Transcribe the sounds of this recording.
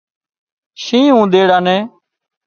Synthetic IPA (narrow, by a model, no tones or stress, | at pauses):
ʃĩːɦũːd̪eːɽaːnɛ̃ː